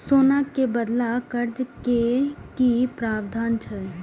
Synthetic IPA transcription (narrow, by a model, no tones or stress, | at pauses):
soːnakebəd̪lakəɾd͡ʒkekipɾaːbd̪ʱaːnt͡ʃʰɛ